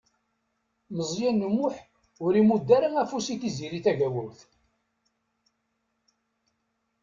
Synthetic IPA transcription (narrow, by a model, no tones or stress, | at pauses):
məzˤjænːəmːʊħ | ʊɾimud̪ːæɾaŋæfusiθiziɾiθæʝæwæwθ